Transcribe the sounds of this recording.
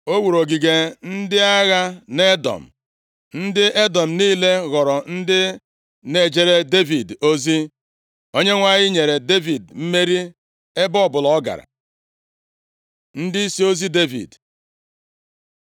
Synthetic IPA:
o˦wu˨ɾo˨ɡi˨ɡe˨n̩˦dɪ˦a˦ɣa˦ne˦dɔ̰˨m̩˨ | n̩˦dɪ˦ʔe˦dɔ˨m̩˨niː˦le˦ɣɔ˨ɾɔ˨n̩˦dɪ˦ | ne˨d͡ʒe˨ɾe˦de˦vi˨do˦zi˦ | o˦ɲe˦ŋʷa˦ɣɪ˦ɲe˨ɾe˨de˦vi˨dm̩˦me˦ɾi˦ | e˦bɔ˦ɔ˨bʊ˨lɔ˨ɔ˦ɡa̰˨ɾa̰˨ | n̩˦di˦i˦si˦o˦zi˦de˦vḭ˨d

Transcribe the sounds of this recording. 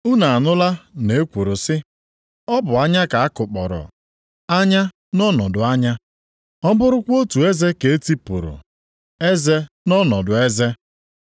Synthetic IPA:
u˦na˨a˨nʊ˦la˦ne˨e˦kʷu˨ɾʊ˨sɪ˦ | ɔ˦bʊ˨a˦ɲa˦ka˨a˦kʊ˨k͡pɔ˨ɾɔ̰˨ | a˦ɲa˦ | nɔ˦nɔ˨dʊ˨a˦ɲa˦ | ɔ˦bʊ˦ɾʊ˦kʷo˦tu˨e˦ze˦ke˨e˦ti˦pʊ˨ɾʊ̰˨ | e˦ze˦ | nɔ˦nɔ˨dʊ˨e˦ze˦

